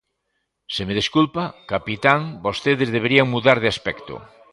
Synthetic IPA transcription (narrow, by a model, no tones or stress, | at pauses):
semeðeskulpakapit̪aŋbost̪eðezðeβ̞eɾiaŋmuðaɾðeaspɛkt̪o̰